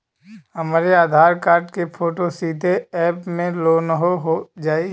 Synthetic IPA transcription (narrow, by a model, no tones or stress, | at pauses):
ɦɐmaːɾeaːd̪ʱaːɾkaːɾʈkepʰoːʈosiːd̪ʱeɛːpmẽloːnɦoɦod͡ʒaːi